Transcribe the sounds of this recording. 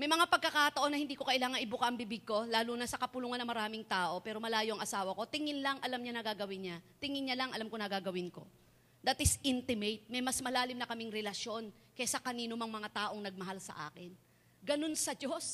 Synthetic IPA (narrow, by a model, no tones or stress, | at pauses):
mɐjmɐŋapɐɡ̚kːɐkat̪ɐʔo̞nɐhɪnd̪iːko̞kɐʔɪlaːŋɐŋʔɪbʊkɐʔɐŋbibɪɡ̚ko̞laːluːnɐsɐkɐpʊluːŋɐnɐŋmɐɾaːmɪŋt̪aːʔo̞pɛːɾo̞mɐlaːjoʔɐŋɐsaːwɐko̞t̪ɪŋɪnlɐŋʔɐlamɲanɐɡaɡɐwɪnɲɐt̪ɪŋɪnɲɐlɐŋɐlamkonɐɡaɡɐwɪnko̞̰ | d̪at̪ɪsʔɪnt̪ɪmejt̪̚mɐjmɐsmɐlaːlɪmnɐkɐmɪŋɾɛlɐʃjo̞n | kɛsɐkɐniːnʊmɐŋmɐŋat̪aːʔo̞ŋnɐɡ̚mɐɦalsɐ̰ʔa̰ːkɪn | ɡɐno̞nsɐd͡ʒo̞s